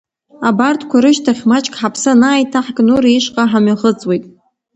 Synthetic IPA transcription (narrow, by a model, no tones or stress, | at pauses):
abartʰʼkʷʰaɾɨʃtʰaχʲmat͡ʃʼkʼħapʰsanaːjtʰaħɡʼnuɾaiʂqʼaħamaχət͡sʼwejtʼ